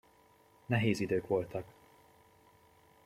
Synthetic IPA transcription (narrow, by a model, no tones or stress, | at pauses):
nɛɦeːzid̪øːkʋo̞lt̪ɒk